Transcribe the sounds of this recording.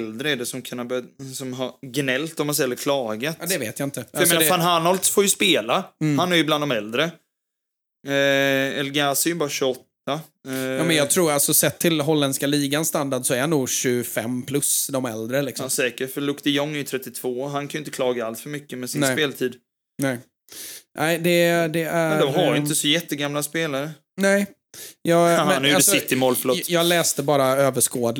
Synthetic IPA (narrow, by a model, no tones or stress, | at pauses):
ld̪ɾəɛɖɛsɔmkʰɵnːabsɔmɦɑɾɡnɛlt̪ɔmːansɛjɛlːəɾkʰlɑːɡat̪ːd̪ɛveːt̪jaɪnt̪əfajmeːnaafaːnɦanɔld̪sfoːjɵspeːlahanæɾjɵbland̪ɔmɛld̪ɾə | ɛlɡasɛɾjɵbɑːɾaɕɵɔt̪ːa | uːmɛnjɑːɡt̪ʰɾuːɾalsɔsɛt̪ʰːɪlɦɔlːɛnskaliːɡanst̪and̪aɖsɔæɾhanːuːɡɕʉfɛ̰mːpʰlɵsd̪ɔmɛ̰ld̪ɾəlɪksɔsɛːkəʈfœɭɵkt̪ɪjɔŋːɛɾjʏt̪ʰɾɛt̪ːɪt̪ʰv̥oːɦankʰanʏɪnt̪əklɑːɡaalsfœɾmʏkːəmɛsɪnɛspeːlt̪ʰiːd̪ | nɛɪ | ʔ̪æɪd̪ɛd̪ɛæɾd̪ɔmhaɾjʏɪnt̪əsɔjɛt̪ːəɡamlaspeːlaɾə | nɛɪ | jɑːɡhnhaɾjbɛsɪt̪ːɪmoːlfɭoːtjɑːɡlɛːst̪əbɑːɾaøːvəʂkoːd̪